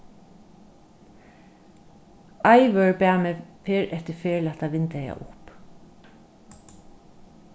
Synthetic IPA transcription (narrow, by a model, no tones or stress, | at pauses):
ɑɪʋœɹbæːmɛːfeːɹʔɛt̪əfeːlat̪aʋɪnt̪ɛja̰ʔʊp